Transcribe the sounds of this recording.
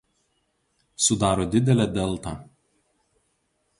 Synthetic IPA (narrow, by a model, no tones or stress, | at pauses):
sʊd̪ɑːɾoːd̪ʲɪd̪ʲɛlʲɛd̪ʲɛlˠˑt̪ɐ